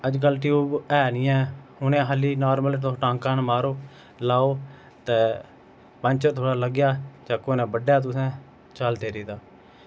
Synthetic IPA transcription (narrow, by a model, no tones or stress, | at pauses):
əd͡ʒk̬əlʈiuːbɛːnɪːɛ̃ːʊnẽːɦəliːnaːɾməlt̪oʈãːŋkaːnmaːɾoː | laːoː | t̪ɛː | pəɲt͡ʃət̪ʰoːɽaːləɡjaːd͡ʒãːkoːneːbəɖjaːt̪̬ʊsɛ̃ː | t͡ʃəld̪eːɾiːd̪aː